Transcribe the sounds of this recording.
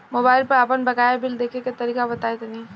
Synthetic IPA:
mʊbaːɪlpəɾaːpənbɐkaːjabɪld̪eːkʰekat̪ɐɾiːkabɐt̪aːet̪ɐnɐɦĩ

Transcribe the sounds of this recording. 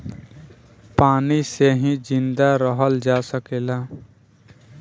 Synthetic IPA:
paːniseɦĩd͡ʒɪ̃nd̪aɾəɦəld͡ʒaːsəkeːlaː

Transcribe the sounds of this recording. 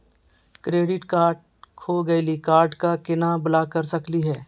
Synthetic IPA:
kɾeːɖɪʈkaːɾɖ̚ | kʰoɡɐilikaːɾɖkakɪnabʊlakɐɾsəkliɦɛː

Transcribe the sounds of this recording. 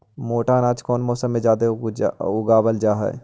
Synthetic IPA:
moːʈanãːt͡ʃkɔːnmɔːsəmːẽd͡ʒaːd̪eʊɡaːbəld͡ʒaːɦɛ̰ː

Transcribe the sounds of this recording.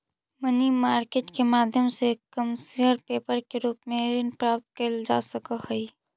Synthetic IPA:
mənimaːɾkeːʈkemaːd̪ʱjəmsekəmseəɾpeːpəɾkeɾuːpmẽɾɪnpɾaːp̚t̪̚kəld͡ʒa̰ːsəkəhəi

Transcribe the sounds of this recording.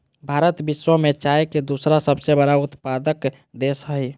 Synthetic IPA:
bʱaɾət̪biswəmet͡ʃaeked̪usɾasəbsebəɽaut̪pad̪ək | d̪esəɦi

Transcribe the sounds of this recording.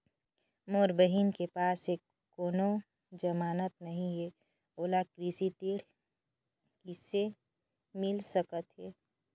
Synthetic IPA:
moːɾbəɦinkepaːse | koːno | d͡ʒəmaːnət̪̚nəɦĩɦe | oːlakɾisit̪iɽ̤ | kise | mɪlsəkət̪ɦɛː

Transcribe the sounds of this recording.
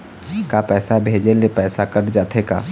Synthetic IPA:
kapɛːsabʱeːd͡ʒelepɛːsakəɾd͡ʒaːt̪ʰeka̰ː

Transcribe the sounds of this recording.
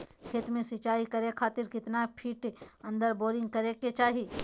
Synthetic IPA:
kʰeːt̪mẽsɪt͡ʃaːikɐɾekʰaːt̪ɪɾkɪt̪napʰiːʈɐ̃nd̪əɾboːɾɪ̃ŋɡ̚kɐɾeket͡ʃaːɦi

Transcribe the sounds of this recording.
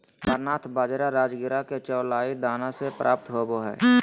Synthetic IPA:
əɾnaːt̪ʰbaːd͡ʒeːɾaɾaːd͡ʒɡɪɾaket͡ʃəːlaːid̪aːnasepɾʔa̰ːpt̪ɦoboɦɛ̰ː

